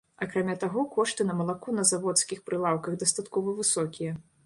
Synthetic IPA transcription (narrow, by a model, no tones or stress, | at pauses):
ɐkɾamʲat̪aɣɔkɔʂt̪ɨnɐmɐlˠakunɐzavɔt̪skʲixpɾɨlˠawkɐɣd̪ɐst̪at̪kɔvɐvɨsɔkʲijɐ